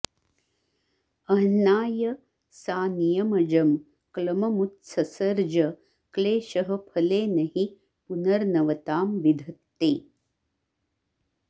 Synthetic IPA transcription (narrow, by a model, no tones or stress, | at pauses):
ɐɦnaːjɐ | saːnijɐmɐd͡ʒɐm | klɐmɐmut̪sɐsɐɾd͡ʒɐ | kleːʃɐɦɐ̆pʰɐleːnɐɦi | punɐɾnɐʋɐt̪aːmʋid̪ʱɐt̪ːeː